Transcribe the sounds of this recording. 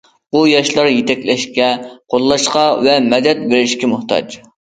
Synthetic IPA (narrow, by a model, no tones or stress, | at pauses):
bujɑʃlˠɑɾjet̪ʰɛkʲlɛʃkʲɛqʰolˠːɑʃqɑvɛmɛd̪ɛt̪̚beɾɪʃkʲɛmʊht̪ʰɑ̰d͡ʒ